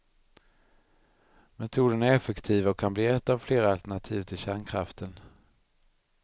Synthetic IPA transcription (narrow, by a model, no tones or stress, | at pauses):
mɛt̪ʰuːd̪ənæɾɛfɛkt̪ʰiːvaɔkʰːanbliːɛt̪ːavfleːɾaalt̪ɛɳat̪ʰiːvt̪ʰɪlɕæːɳkʰɾaft̪ʰən